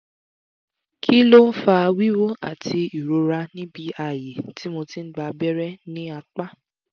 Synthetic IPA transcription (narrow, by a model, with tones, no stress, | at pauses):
kʰi˦lo˦fa˧wi˦wo˦a̰˨tʰi˧i˨ɾo˨˧ɾa˧nĩ˦bi˧a˨je˨ti˦mo˧ti˦n̩˦ɡ͡ba˧bɛ˦ɾɛ˦nĩ˦a˧k͡pa˦